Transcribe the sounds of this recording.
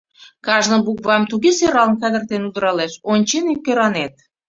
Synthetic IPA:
kɑʒnɤ̆buk̚βɑmt̪uɣeseɾɑlnkɑd̪ə̆rt̪enud̪ɾɑleʃonʲt͡ɕenekːøɾɑnet̪̚

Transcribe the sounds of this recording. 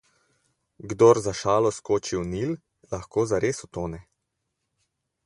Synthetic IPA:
ɡd̪oːɾzaʃaːlɔskoːt͡ʃiwnil | laxkoːzaɾeːsɔt̪oːnɛ

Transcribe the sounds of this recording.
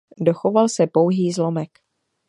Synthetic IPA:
do̞xovalsɛpowɦiːzlo̞mɛk

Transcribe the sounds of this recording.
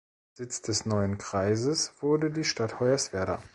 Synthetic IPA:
zɪt͡sd̥ɛsnɔʏənkʁ̥aɪzəsv̥ʊɐdədiːʃtathɔʏɐsv̥ɛɐdɐ̰

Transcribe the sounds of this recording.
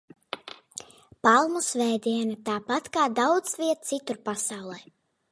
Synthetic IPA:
palˠmusvɛːd̪iɛnat̪aːpat̪kaːd̪awd̪zvʲiɛt̪̚t̪sit̪uɾpasawlˠɛj

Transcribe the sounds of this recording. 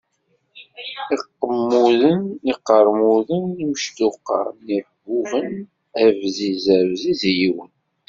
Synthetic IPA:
iqːəmːuðəniqːəɾˤmuðəniʃt̪uqːɑ̰ɾnibːuʁən | ævzizəvzizjiwən

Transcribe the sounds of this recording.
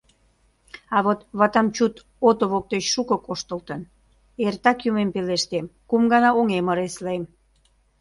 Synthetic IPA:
ɑβot̪βɑt̪ɑmt͡ɕut̪ | ot̪oβok̚t̪et͡ɕʃukokoʃt̪ə̆lt̪ən | ert̪ɑkjumempeleʃt̪emkumɡɑnɑoŋeməɾeslem

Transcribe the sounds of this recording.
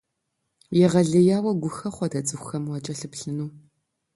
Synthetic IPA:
jɛʁɐɮɐjaːwɐɡʷʊxɐχʷɔdɐt͡sʼɨxʷʊxɐmwɐt͡ʃʼɐɬɨpɬɨnuː

